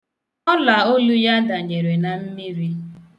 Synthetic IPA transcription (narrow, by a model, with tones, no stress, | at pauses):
ɔ˦la˨o˦lu˦ja˦da˨ɲe˨ɾe˨na˨m̩˦mi˦ɾi˦